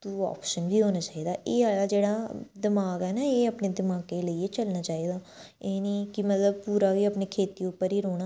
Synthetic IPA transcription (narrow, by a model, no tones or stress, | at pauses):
t̪uːa̰ːpʃənbiːɦoːnaːt͡ʃaːiːd̪aːʔeːaːlaːd͡ʒeːɽaːd̪ɪmaːɡɛːnaeːəpneːd̪ɪmaːɡeːləiːet͡ʃəlnaːt͡ʃaːiːd̪aː | eːniːkɪmət̪ləb̚puːɾaːʋiːəpneːkʰeːt̪iːʊpːəɾiːɾoːɽ̃aː